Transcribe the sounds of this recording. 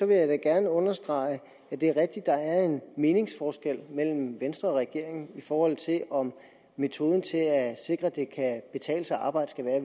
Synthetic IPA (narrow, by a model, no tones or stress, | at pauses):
sɒ̽ʋe̝jɑɪd̥æɡ̥æɐnəɔ̽nɐsd̥ʁɑ̈ɪ | æd̥e̝æɐʁɛɡ̥̚d̥id̥ːɑ̈æɐe̝nme̝ːne̝ŋsfɒːsɡ̥el̰mel̰m̩ʋensd̥ʁɐɒ̽ʁɛɡ̥e̝ɐ̰eŋn̩ifɒːhɒ̽l̰t͡sʰe̝lʔɒ̽m | mːe̝t͡sʰo̝ːð̞ˠn̩t͡sʰe̝æse̝ɡ̥ʁɐd̥e̝kʰæb̥e̝t͡sʰɛ̰ːləsɑɑ̈ːb̥ɑ̈ɪ̰d̥əsɡ̥æʋæːɐ